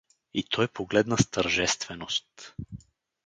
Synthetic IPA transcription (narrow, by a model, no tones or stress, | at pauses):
it̪ʰɔjpoɡlɛd̪nɐst̪əɾʒɛst̪vɛnost̪